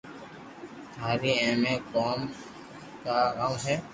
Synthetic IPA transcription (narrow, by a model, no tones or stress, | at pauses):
t̪ʰaːɾiːɛ̃ːmẽkoːm | kaaːmɦɛː